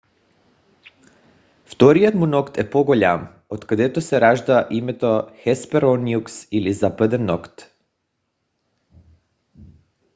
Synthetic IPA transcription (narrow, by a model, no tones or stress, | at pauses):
ft̪oɾijot̪munokt̪ɛpoɡoʎam | ot̪kad̪ɛt̪osɛɾaʒd̪aʔimɛt̪oxɛspɛɾoniuksilizapad̪ɛnːokt̪